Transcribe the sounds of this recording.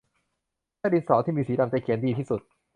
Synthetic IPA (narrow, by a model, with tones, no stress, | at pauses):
a˥˩di˧nsɔː˩˦t̪ʰiː˥˩miː˧siː˩˦da˧mt͡ɕa˧˩jkʰi˨˩˦ndiː˧t̪ʰiː˥˩su˨˩t̪̚